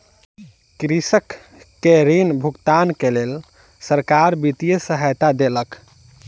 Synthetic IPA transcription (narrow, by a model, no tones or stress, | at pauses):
kɾisəkː | eɾinbʱuɡt̪ankelel | səɾkaɾbit̪ijəsəɦəjt̪ad̪elək